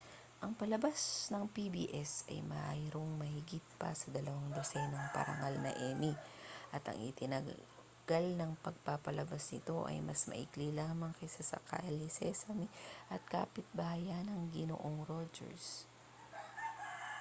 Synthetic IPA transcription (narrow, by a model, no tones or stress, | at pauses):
ʔɐŋpɐlɐbasnɐŋpibḭːʔɛsɐ̰jmɐʔajɾoŋmɐhɪɡɪt̪̚pɐ̰sɐd̪ɐlɐwaŋd̪osɛnɐŋpɐ̰ɾɐ̰ŋalnɐ̰ʔɛmiʔɐt̪ɐ̰ŋʔɪ̰t̪ɪnɐ | ɡ̥alnɐŋpɐɡ̚papɐlɐbasnɪt̪o̞ʔɐ̰jmɐsmɐ̰ʔiklilaːmɐŋkɐjsɐsɐ̰ka̰ʔɛlisɛsɐmiʔɐt̪̚ka̰ːpɪt̪̚baːjanɐŋɡɪno̰ʔoŋɾod͡ʒɛ̰ɹs